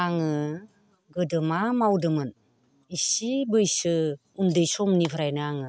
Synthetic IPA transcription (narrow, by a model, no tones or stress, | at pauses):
aŋɯ | ɡɯdɯmamawdɯmɯn | isibəjsɯ | umdejsomnibʰəɾajnɯaŋɯ